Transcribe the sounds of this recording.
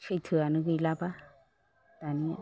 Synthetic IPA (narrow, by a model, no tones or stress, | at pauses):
t͡ʃʰəjtʰɯanɯɡɯjlaba | t̪ani